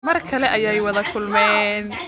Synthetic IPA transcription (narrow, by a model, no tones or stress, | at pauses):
mɐrkʰɐlɛʔɐjajwɐðɐkʰʊlmɛːn